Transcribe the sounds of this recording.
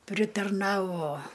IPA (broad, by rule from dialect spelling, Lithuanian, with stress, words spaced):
pʲrʲɪtɐrˈnɑːʋoː